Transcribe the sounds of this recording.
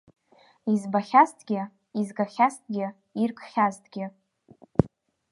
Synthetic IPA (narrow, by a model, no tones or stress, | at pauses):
izbaχʲastʰʼɡʲɪ | izɡaχʲast̚ʰʼɡʲɪ | irkʰʼχʲaztʰʼɡʲɪ